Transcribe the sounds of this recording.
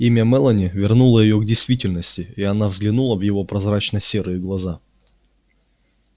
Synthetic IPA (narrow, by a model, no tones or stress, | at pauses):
imʲɐmɛlˠənʲɪvʲɪrnulˠəjɪjoɡdʲɪjst̪vʲitʲɪlʲnəsʲtʲɪɪɐnavzɡlʲɪnulˠəvjɪvo̞pɾɐzɾat͡ɕnəsʲeɾɨjɪɡlˠɐza